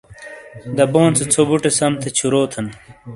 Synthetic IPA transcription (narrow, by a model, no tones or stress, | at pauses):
d̪ɐboːnt͡set͡sʰobuʈesɐmt̪ʰet͡ɕʰuɾoːt̪ʰɐn